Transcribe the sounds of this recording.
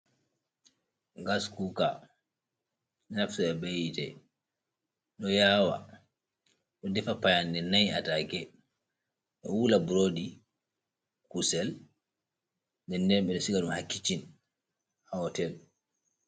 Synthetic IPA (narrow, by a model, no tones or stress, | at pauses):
ɡaskuka | nɛnafsuɛbejitɛ̰ | ɗɔjaːwa̰ | ɗɔdɛfapajandɛnajatakɛ | ɗɔ̰wulabuɾodi | kusɛl | dɛndɛɾɓɛɗɔsiɡaɗumhakːit͡ʃin | haɔtɛl